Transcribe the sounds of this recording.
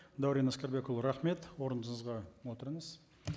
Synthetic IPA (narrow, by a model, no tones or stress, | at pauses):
d̪awɾijnaskʲaɾbekolˠɾɑχme̞t̪woɾənd̪əɴəzʁɑwo̞t̪əɾəɴəz̥